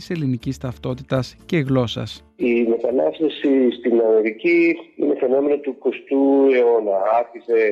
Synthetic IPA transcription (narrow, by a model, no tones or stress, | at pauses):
ise̞linicist̪ɐft̪o̞t̪it̪ɐsce̞ɣlo̞sɐ̰s | ime̞t̪ɐnɐst̪esist̪inɐme̞ɾiciḭne̞fe̞no̞me̞not̪uko̞st̪ue̞o̞nɐɐçise̞